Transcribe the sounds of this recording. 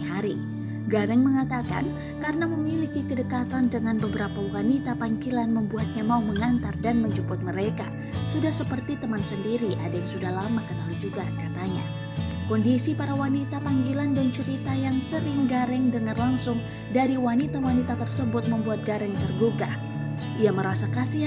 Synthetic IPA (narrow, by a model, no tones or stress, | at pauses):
aɾi | ɡaɾɛŋməŋat̪aka̰n | karnaməmilikikədəkat̪andəŋanbəbəɾapawanit̪apaŋɡilanməmbuat̪̚ɲamauhməŋant̪ardanməɲd͡ʒupʊt̪̚məɾeka̰ | sudahsəpərt̪it̪əmansəndiɾiʔa̰dajaŋsudahlamakənalad͡ʒuɡakat̪aɲa̰ | kɔndisipaɾawanit̪apaŋɡilandant͡ʃəɾit̪ajaŋsəɾɪŋɡaɾɛŋdəŋarlaŋsʊŋ | daɾiwanit̪awanit̪at̪ərsəbʊt̪̚məmbuat̪̚ɡaɾɛŋt̪ərduka | ʔiaməɾasakasi